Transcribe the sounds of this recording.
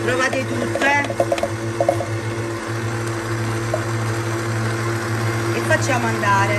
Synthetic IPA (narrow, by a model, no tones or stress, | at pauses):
t̪ɾovaːt̪et̪ut̪ːɛ | efːat͡ʃːjaːmoand̪aːɾe